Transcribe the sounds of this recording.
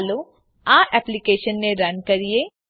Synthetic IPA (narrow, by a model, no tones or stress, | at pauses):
lo | aːʔɛːplikeːʃənːẽɾɐnkɐɾie